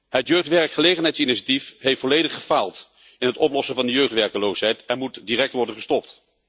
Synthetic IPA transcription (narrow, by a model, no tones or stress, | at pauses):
ɦətjøɥχtʋɛɹkχəlejχənɦɛjtsɪniʃatifɦeftfɔlejdəχəfaːlˠt | ɪnɦətɔplɔsəvɑndəjøɥχtʋɛɹkəlowsɦɛjtɛnmutdirɛk̚tʋɔɹdənχəstɔp̚t